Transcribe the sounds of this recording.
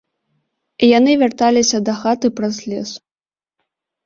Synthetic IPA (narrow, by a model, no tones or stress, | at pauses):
janɨvʲart̪alʲisʲɐd̪ɐxat̪ɨpɾɐzlʲɛs